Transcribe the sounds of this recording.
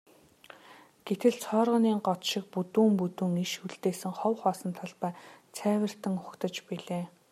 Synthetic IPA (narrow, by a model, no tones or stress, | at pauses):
ɡ̥et̪ʰɘ̆ɮt͡sʰɔːrʁə̆niːŋɢɔt̪ʃɪ̆k̚put̪uːmput̪uːŋiʃuɮt̪eːsɘ̆ŋχɔwχɔːsə̆nt̪ʰɔɮpæːt͡sʰæːwɪ̆r̥t̪ɘ̆ŋχʊkt̪ə̆t͡ɕpiɮeː